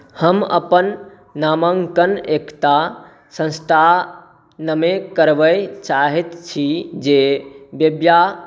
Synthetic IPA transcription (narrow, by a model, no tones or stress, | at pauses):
həmə̰pənː | aməŋkənekʈ̪a | sə̃nst̪ʰa | nəmekəɾbəjt͡ʃaɦɛt̪t͡ʃʰid͡ʒebjəbja